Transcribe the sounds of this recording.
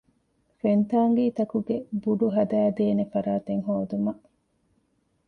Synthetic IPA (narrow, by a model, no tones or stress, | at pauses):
fent̪aːŋɡiːt̪ɐkuɡebuɖuɦɐd̪æːd̪eːnefɐɾaːt̪eŋɦoːd̪umɐ